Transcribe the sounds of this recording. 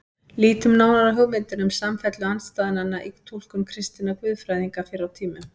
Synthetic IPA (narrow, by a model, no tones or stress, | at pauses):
liːt̪ʏmnaːwnaɾaɦʏɣmɪnt̪ɪnʏmsamfɛt̪lʏanst̪aːðɪnanːaʔit̪ʰul̥kʏmkʰɾɪst̪inakvʏðfɾajðiŋkafɪɾawt̪ʰiːmʏ